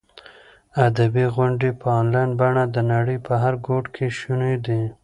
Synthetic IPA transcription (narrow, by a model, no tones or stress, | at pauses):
ad̪abiɣʊɳɖepəɑnlɑjnbaɳad̪ənaɽəjpəɦaɾɡoʈkʰeʃuned̪i